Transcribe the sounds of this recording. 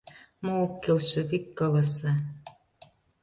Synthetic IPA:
moːkːelʃĕβikːɤlə̆sɤ̆

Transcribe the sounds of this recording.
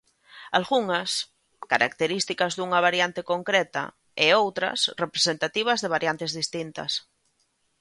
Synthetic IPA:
alɣuŋɐs | kaɾa̰kt̪eɾist̪ikɐzðuŋɐβ̞aɾjant̪ekoŋkɾɛt̪ɐ̰ | eowt̪ɾɐ̰srepɾesent̪at̪iβ̞ɐzðeβ̞aɾjant̪ezðist̪int̪ɐ̰s

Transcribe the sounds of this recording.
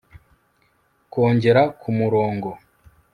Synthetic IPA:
ko̞ːɲɟe̞ɾakʰumuɾo̞ːŋɡo̞

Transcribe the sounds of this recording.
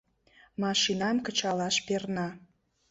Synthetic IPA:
mɑʃinɑmkə̆t͡ɕɑlɑʃpernɑ

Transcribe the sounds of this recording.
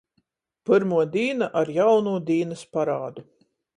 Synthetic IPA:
pɨɾmuɔd̪iːnaʔaɾjawnuːd̪iːnɨspaɾaːd̪u

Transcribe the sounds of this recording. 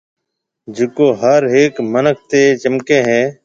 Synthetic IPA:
d͡ʒɪkoːɦəɾɦeːkmənək̚ʰt̪eːt͡ʃəmkẽːɦẽː

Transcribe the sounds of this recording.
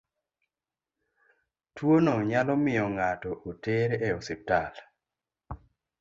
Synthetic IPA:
twonɔɲalɔmɪjɔŋatɔʔoteɾɛosɪp̚tal

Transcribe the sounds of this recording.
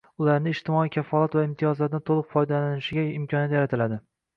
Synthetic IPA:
ʊlaɾnɪːʃt̪ɪmɒijkʲʰafːɒlˠat̪vaɪmt̪ʰijɒzlaɾd̪ɪt̪ʰolˠɨqfɒjd̪alanɪʃɪɡʲaɪmkʰʲɒnjat̪jaɾat̪ʰɪlad̪ɪ

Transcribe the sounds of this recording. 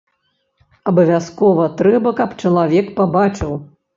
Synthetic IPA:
ɐbɐvʲaskɔvɐt̪ɾɛbɐkɐpt͡ʂɐlˠavʲɛkpabat͡ʂɨw

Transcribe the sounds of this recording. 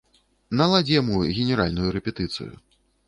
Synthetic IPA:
nɐlˠad͡zʲijamuɣʲɛnʲɛɾalʲnujuɾɛpʲɛt̪ɨt̪sɨ̰jṵ

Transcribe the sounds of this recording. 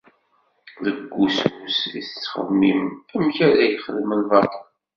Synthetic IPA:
ðəɡʷːususiθət͡sːχə̰ðmːimæmçæɾæjχəlːmənvˤɑt

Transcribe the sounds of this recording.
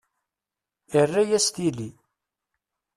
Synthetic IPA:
ərːæjæst̪ili

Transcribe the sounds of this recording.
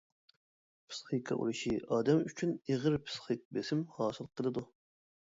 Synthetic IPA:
pʰɨ̥sχikʰɑ̰ʔṵɾɨʃiʔɑːd̪ɛmyt͡ʃʰyneʁəɾpʰɨ̥sχɨk̚besɪmhɑːsɨlˠqʰːəlˠɨd̪u

